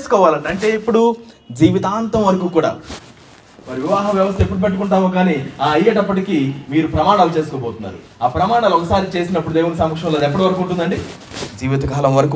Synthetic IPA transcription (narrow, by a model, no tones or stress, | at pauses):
esu̥kɔːʋaːlɐɳɖiɐɳʈe̞ːipːuɽu | d͡ʒiːʋit̪aːnt̪ɐmʋɐɾɐkuːkuːɽa̰ː | mɐɾiʋiʋaːɦɐmʋjɐʋɐs̬t̪ɐepːuɽupeʈ̬ːukuɳʈaːmoːkaːniːaːɐjːɐʈɐpːɐʈikiːmiːɾupɾɐmaːɽaːlut͡ʃe̞ːs̬u̥kɔːboːt̪unːa̰ːɾṵ | aːpɾɐmaːɳaːlɔkɐsaːɾit͡ʃe̞ːsinɐpːuɽud̪eːʋunːɐsɐmːɐkʂɐmleːd̪ɛpːɐɽiʋɐɾɐkuːɳʈund̪ɐɳɖi | d͡ʒiːʋit̪ɐkaːlɐmʋɐɾɐkuː